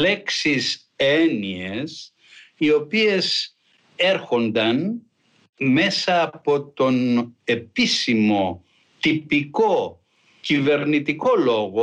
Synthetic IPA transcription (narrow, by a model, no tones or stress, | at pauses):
le̞ksis | enies | io̞pie̞s | e̞ɾxo̞nd̪ɐn | me̞sɐːpo̞t̪o̞ne̞pisimo̞ | t̪ipiko̞ | cive̞ɾnit̪iko̞lo̞ɣo